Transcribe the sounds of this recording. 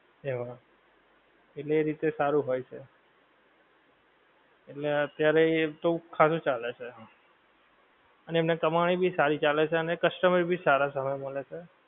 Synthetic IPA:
ɦeʋa | eʈleːɾit̪esaɾũɦojt͡ʃʰe | eʈleət̪jaɾet̪okʰasũt͡ʃalet͡ʃʰe | əneemnekəmaɽ̃ibʱisaɾit͡ʃalet͡ʃʰeənekəsʈəmɾbʱisaɾasəməjməlet͡ʃʰe

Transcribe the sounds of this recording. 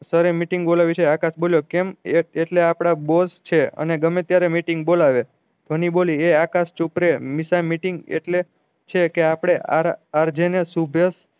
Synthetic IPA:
səɾemiʈiŋɡbolaʋit͡ʃʰeakasboljokemeeʈleapɽ̃abost͡ʃʰeə̰neɡəmẽt̪jaɾemiʈiŋɡbolaʋe | t̪ʰonibolieakast͡ʃupɾemisalmiʈiŋɡḛʈle | t͡ʃʰekeapɽ̃ea̰ɾaɾd͡ʒenesubʱjəs

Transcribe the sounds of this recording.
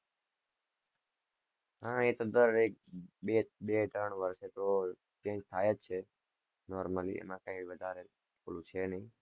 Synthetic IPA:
ɦãet̪od̪əɾek̚ɓeɓet̪ɾəɳʋəɾʃet̪o | t͡ʃẽd͡ʒt̪ʰajet̪t͡ʃʰe | nɔɾməlḭʔḛmãkə̃ĩbiʋəd̪ʱaɾe | polũt͡ʃʰenəɦĩ

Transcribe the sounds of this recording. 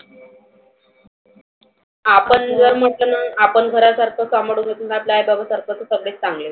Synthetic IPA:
apəɳd͡zəɾm̤əʈlənaapəɳɡʱəɾasaɾkʰəsamɽuːŋɡet̪unaplajbabəsaɾkʰət̪osəɡɽet͡st͡sãŋɡle

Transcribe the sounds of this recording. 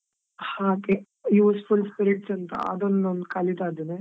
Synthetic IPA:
hãːke | juːsfulspiɾiʈsɐnt̪ɐ̰ɐ̰d̪onnond̪kɐlid̪aːd̪une

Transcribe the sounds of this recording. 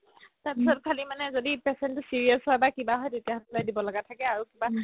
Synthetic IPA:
taɹpisɔtkʰalimanɛzodipɛsɛntʊsiɹiasɦɔjbakibaɦɔjtetijaɦɔtɔlojdibɔlɔɡatʰakɛaɹukiba

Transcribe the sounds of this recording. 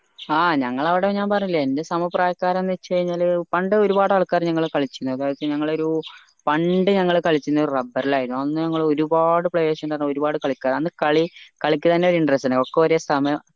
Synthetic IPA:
aːɲɐŋːɐɭɐʋiɽeɲaːnpɐrɐɲːilːɐende̞sɐmupraːjɐkːaːɾɐenːɨt͡ɕe̞jɲːaːlpɐɳɖɨoɾubaːɽɨɐɭkːaːrɲɐŋːɐɭkɐɭit͡ɕːuɾunːuɐðaːjt̪ːiɲɐŋːɐɭo̞ɾu | pɐɳɖɨɲɐŋːɐɭkɐɭit͡ɕːuɾunːɐoɾurɐbːɐrilaːjiɾunːoɐnːɨɲɐŋːɐɭo̞ɾubaːɽɨpɭeːʂɐndɐnoɾubaːɽɨkɐɭikʲːaːrɐnːɨkɐɭikɐɭikʲːɨt̪ɐnːe̞oɾuiɳɖɐresɐnːokːeʋɐɾejɐst̪ʰɐmɐ

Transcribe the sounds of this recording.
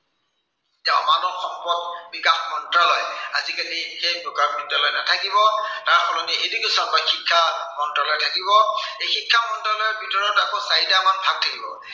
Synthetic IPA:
taɔmanɔŋxɔmpɔɡbikaxmɔntɹalɔjazikalixejbʊkaɹmɔntɔlɔjnatʰakibɔtaɹxɔlɔniʔedikisanbaxikʰːamɔntɹalɔjtʰakibɔxejxikʰːamɔntɹalɔjɔbʱitɔɹɔnakosaidamanbʱak̚tʰakibɔ̰

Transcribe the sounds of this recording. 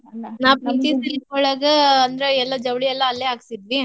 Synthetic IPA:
naːpɐnt̪isɐlit̪koɭaːɡɐɐnd̪ɾeɛlːɐd͡ʒɐʋɭiɛlːɐːlːeːɦaːɡsid̪ʋi

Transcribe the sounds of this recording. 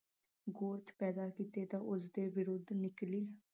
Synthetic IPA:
ɡoːɾt̪ʰpɛːd̪aːkiːt̪eːt̪aːʔʊsd̪eːʋɪɾʊd̪nɪkliː

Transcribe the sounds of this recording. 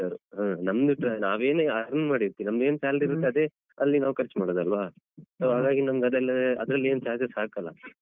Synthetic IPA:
saɾɦaːnɐmd̪iʈːɾaːnaːʋe̞ːneaɾɐnmaːɽiɾt̪ːiinɐmɡe̞ːnsaːlɐɾiɾt̪ːaːd̪e | ɐlːinaːʋukɐɾt͡ʃmaːɽod̪ɐlʋaː | soːɦaːɡaːɡinɐmɐɡɐd̪ɐlːɐɐ̰d̪ɾɐlːe̞ːnt͡ʃaːt͡ʃesaːkɐlːɐ̰

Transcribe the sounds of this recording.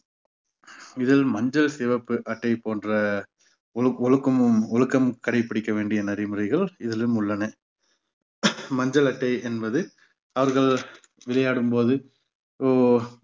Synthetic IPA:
ɪðɪlmɐɲd͡ʒɐlsɛʋɐpːɯʔɐʈːɐɪpoːndrɐ | ɔɻɯkːɐmɯmɔɻɯkːɐmkɐɽɐɪpːɪɽɪkːɐʋeːɳɖɪjɐnɐɾɪmɯrɐɪɣɐɭɪðɪlɯmʊɭːɐnɐ | mɐɲd͡ʒɐlɐʈːɐɪɛnbɐðɯ | ɐʋɐɾɣɐɭ | ʋɪlɐjaːɽɯmpoːðɯ | o

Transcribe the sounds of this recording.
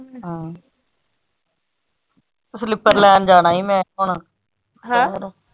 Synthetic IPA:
ɦãː | slɪpːəɾlɛːnd͡ʒaːnaːiːmɛ̃ːʊɳ | ɾ

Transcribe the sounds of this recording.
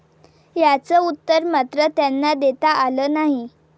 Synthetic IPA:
jat͡səut̪ːəɾmat̪ɾət̪janːad̪et̪aʔaləːnaɦi

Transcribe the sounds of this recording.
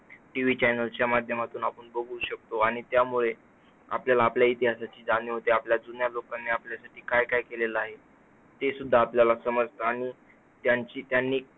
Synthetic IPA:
ʈiʋit͡ɕajnəlt͡ɕjamad̪ʱjəmat̪uːnapəɳbəɡuːɕək̚t̪oaɽ̃it̪jamuɭe | a̰pljalaːpljait̪iɦasat͡ɕiːd͡zaniːɦot̪eapljad͡zunjalokanːeːapljasaʈiːkajkajkeleləaɦe | t̪esud̪ʱːaːpljalasəməd͡zʱt̪aaɽ̃i | t̪jaɲt͡ɕiːt̪janːiː

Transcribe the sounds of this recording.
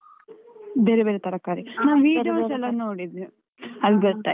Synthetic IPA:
beːɾebeːɾet̪ɐɾɐkaːɾinaːʋʋiːɖʋt͡ʃɛlːɐnoːɽid̪i | ɐlɡɔt̪ːa̰

